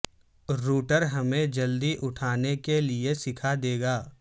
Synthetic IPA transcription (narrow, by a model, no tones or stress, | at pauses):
ɾuːʈəɾɦɐmẽd͡ʒɐld̪iʔʊʈʰaːnekeliesɪkʰad̪eːɡaː